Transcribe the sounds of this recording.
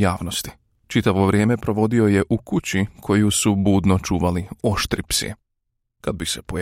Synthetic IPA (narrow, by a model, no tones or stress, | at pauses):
jaːʋnost̪i̥ | t͡ʃit̪aʋo̞ʋɾʲje̞ːme̞pɾo̞ʋo̞d̪io̞je̞ʔukut͡ɕikʰo̞jusubuːd̪no̞t͡ʃuːʋalio̞ʃt̪ɾipsḭḛ | kad̪̚bise̞po